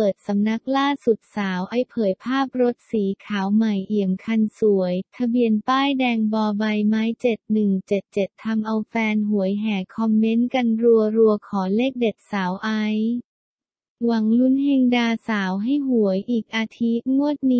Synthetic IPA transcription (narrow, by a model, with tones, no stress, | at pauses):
pɤː˨˩t̪̚sa˩˦mna˦˥k̚laː˥˩su˨˩t̪̚saː˩˦wʔa˧˩jpʰɤː˩˦jpʰaː˥˩p̚ɾo˦˥t̪̚siː˩˦kʰaː˩˦wma˨˩jʔi˨˩əmkʰa˧nsu˩˦əjt̪ʰa˧bi˧ənp̪aː˥˩jdɛː˧ŋbɔː˧ba˧jmaː˦˥jt͡ɕe˨˩t̪̚nɯ˨˩ŋt͡ɕe˨˩t̪̚t͡ɕe˨˩t̪ʰːa˧mʔa˧wfɛː˧nɦu˩˦əjɦɛː˩kʰɔ˧mːe˦˥nka˧nɾu˧əɾu˧əkʰɔː˩˦leː˥˩k̚de˨˩t̪̚saː˩˦wʔa˧˦˥j | wa˩˦ŋlu˦˥nɦe˧ŋdaː˧saː˩˦wɦa˥˩jɦu˩˦əjʔiː˨˩k̚ʔaː˧t̪ʰi˦˥mu˥˩ət̪̚niː˦